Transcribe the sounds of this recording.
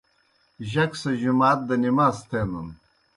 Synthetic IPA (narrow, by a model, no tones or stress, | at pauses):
ʑɐksɐʑumaːt̪̚d̪ɐnimaːst̪ʰenun